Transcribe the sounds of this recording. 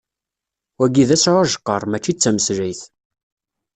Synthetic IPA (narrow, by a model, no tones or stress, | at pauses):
wæɡiðæsʕʊʒə̥qːəɾˤmæt͡ʃːit͡sːæməsɾijθ